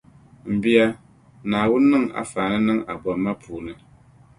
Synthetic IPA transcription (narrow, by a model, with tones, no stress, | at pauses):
m̩˨bɪ˦a˦ | naː˨wʊ˦nː˦ɨ˦˨ŋa̰˨faː˨nɨ˦nɨ˦ŋa˨bɔ˨m˦mːa˦pʰuː˨nɨ˨